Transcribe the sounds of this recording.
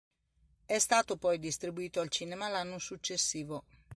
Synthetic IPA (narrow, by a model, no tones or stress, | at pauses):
ɛst̪aːt̪opɔjd̪ist̪ɾibuiːt̪oalt͡ʃiːnɛmalanːosut͡ʃːesːiːvo